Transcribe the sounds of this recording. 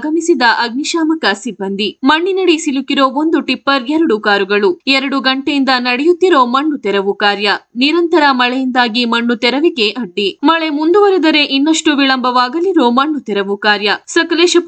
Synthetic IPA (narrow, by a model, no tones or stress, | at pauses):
ɡɐmisid̪ɐʔɐɡniʃaːmɐkɐsibːɐnd̪ʱimɐɳːinɐɽisilukiɾo̞ːond̪uʈipːɐɾɛɾɐɽukaːɾuɡɐɭuɛɾɐɽuɡɐɳʈejind̪ɐnɐɽɛjut̪ːiɾo̞ːmɐɳːut̪ɛɾɐʋukaːɾjɐniɾɐnt̪ɐɾɐmɐɭejind̪aːɡimɐɳːut̪ɛɾɐʋiɡe̞ʔɐɖːimɐɭe̞mund̪uʋɐɾed̪ɐɾe̞ʔinːɐʂʈuʋiɭɐmbʱɐʋaːɡɐliɾo̞ːmɐɳːut̪ɛɾɐʋukaːɾjɐsɐkɐleːʃɐ